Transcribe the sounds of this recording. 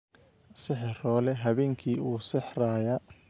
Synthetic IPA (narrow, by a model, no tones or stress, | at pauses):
sɪħɪrɔːlɛɦɐβɛːŋkʰiːuːsɪħraːja